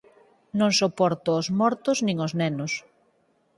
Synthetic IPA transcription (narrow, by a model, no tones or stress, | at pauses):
nõŋsopɔɾt̪ʊːzmɔɾt̪ʊznĩŋoznɛnʊs